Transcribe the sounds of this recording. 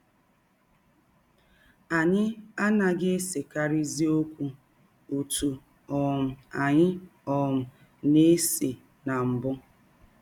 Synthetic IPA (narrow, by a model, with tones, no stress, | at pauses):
a˨ɲɪ˦a˦na˨ɡe˦se˨ka˦ɾi˦zi˦o˦kʷu˦ | u˨tu˨ | ɔ˨m̩˨a˨ɲɪ˦ɔ˨m̩˨ | ne˦se˨ | na˨m̩˨bʊ˦